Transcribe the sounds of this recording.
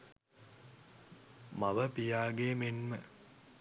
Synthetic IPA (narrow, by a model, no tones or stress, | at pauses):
maʋəpijaːɡeːmenmə